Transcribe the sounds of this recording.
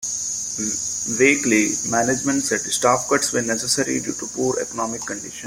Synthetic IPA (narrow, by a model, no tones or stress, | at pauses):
ʋeːklimæːned͡ʒmə̃ɳʈsɛʈsʈaːpkəʈsʋeːnɛsesəɾḭɖjṵːʈupuːɾḛkɔnɔːmɪkːə̃ɳɖɪʃə̃n